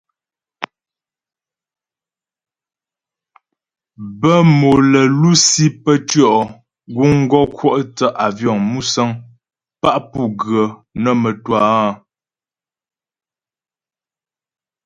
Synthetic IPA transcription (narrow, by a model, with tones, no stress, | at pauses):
bə˦mo˨lə˨lu˦si˦pə˦tɥɔ˦˨ʔ | ɡu˦ŋ̩˦ɡɔ˦kʰwɔ˦˨ʔtə˦ʔa˨vjɔ˦˨ŋmu˦sə˦ŋ | pa˦ʔpu˦ɡɰə˨nə˦mə˨twaː˦˨